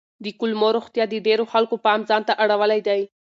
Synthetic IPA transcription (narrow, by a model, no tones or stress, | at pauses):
d̪əkʊlmoɾoxt̪jɑd̪əɖeɾoxalkopɑmzɑnt̪aʔaɽawəlajd̪aj